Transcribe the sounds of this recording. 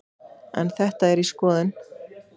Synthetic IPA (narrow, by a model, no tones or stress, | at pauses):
ɛ̰nθɛht̪aɛɾiskɔːðɪn